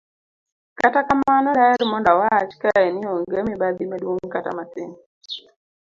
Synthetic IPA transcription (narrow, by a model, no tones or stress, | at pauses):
katakamanɔdaɛɾmɔndawat͡ʃkaɛnɪɔŋɡəmibad̪imadwoŋkata̰masɪŋ